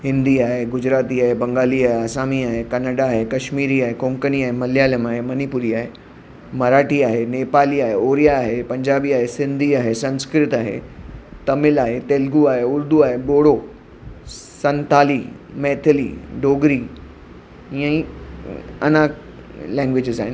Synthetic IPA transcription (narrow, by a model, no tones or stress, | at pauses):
hɪ̃nd̪iaːɦeɡʊd͡ʑɾaːt̪iaːɦebɐ̃ŋɡaːliaːɦɐsaːmiaːɦekɐnəɖaːɦekɐʃmiːɾiaːɦekõːŋkəniaːɦemɐljaːləmaːɦemɐnipʊɾiaːɦe | mɐɾaːʈiaːɦeneːpaːliaːɦeoːɾijaːɦepɐ̃ɲd͡ʑaːbiaːɦesɪ̃nd̪ʱiaːɦesɐ̃nskɾɪt̪aːɦḛt̪ɐmɪlaːɦet̪eːlɡuaːɦeʊɾd̪ʱuaːɦeboːɽo | sɐ̃nt̪aːli | mɛːt̪ʰɪlḭɖoːɡɾi | iə̃ĩ | ɐ̰na | lɛ̃ːŋɡʋɪd͡ʑɪzaːɦɪn